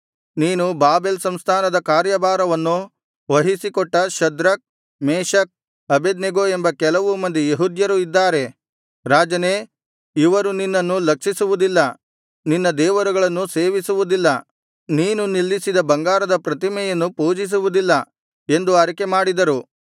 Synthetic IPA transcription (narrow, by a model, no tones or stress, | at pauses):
niːnubaːbelsɐmst̪ʰaːnɐd̪ɐkaːɾjɐbaːɾɐʋɐnːu | ʋɐɦisikɔʈːɐʃɐd̪ɾɐk̚ | meːʃɐk̚ | ɐbed̪neɡoːe̞mbɐkɛlɐʋumɐnd̪ijeɦud̪jɐɾuid̪ːaːɾe̞ | ɾaːd͡ʒɐneː | iʋɐɾuninːɐnːulɐkʂisuʋud̪ilːɐ | ninːɐd̪ɛːʋɐɾuɡɐɭɐnːuseːʋisuʋud̪ilːɐ | niːnunilːisid̪ɐbɐŋɡaːɾɐd̪ɐpɾɐt̪imɛjɐnːupuːd͡ʒis̬uʋud̪ilːɐ | e̞nd̪uɐɾɐkemaːɽid̪ɐɾu